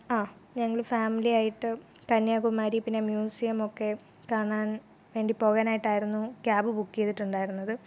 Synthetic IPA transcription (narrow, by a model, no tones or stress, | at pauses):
aːɲɐŋːɐɭfaːmiliaːjiʈːɨkɐnjaːɣumaːɾipinːemjuːsijɐmo̞kːe̞ | kaːɳaːn | ʋe̞ːɳɖipo̞ːɣaːnaːjiʈːaːjiɾunːukjaːbɨbukːijɐðiʈːuɳɖaːjiɾunːɐðɨ